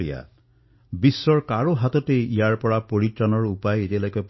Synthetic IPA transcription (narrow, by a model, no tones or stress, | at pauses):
ija̰ | bisːɔɹkaɹoɦat̪ɔteijaɹpɔɹapoɹitɹanɔɹupajetialɔjkɔp